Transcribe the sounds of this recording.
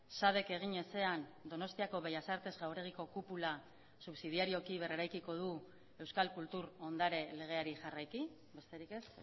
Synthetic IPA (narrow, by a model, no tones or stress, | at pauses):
saβe̞ke̞ɣ̞iɲe̞se̞and̪o̞no̞st̪iako̞βe̞jasaɾt̪e̞zɣawɾe̞ɣ̞iko̞kupula | suβsið̞iaɾio̞kiβ̞e̞reɾajkiko̞ð̞u | e̞wskalkult̪uɾo̞nd̪aɾe̞le̞ɣ̞e̞aɾiʝarajki | be̞st̪e̞ɾike̞s